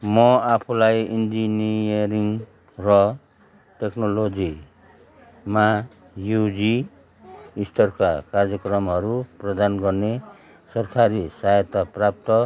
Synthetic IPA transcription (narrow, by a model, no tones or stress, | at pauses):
mɔapʰulajind͡ʒinijʌɾiŋ | rʌ | teknolod͡ʒi | ma | jud͡ʒi | ist̪ʰʌrkakaɾd͡zjʌkrʌmɦʌɾuprʌd̪anɡʌrne | sʌrkʰaɾisajʌt̪aprap̚t̪ʌ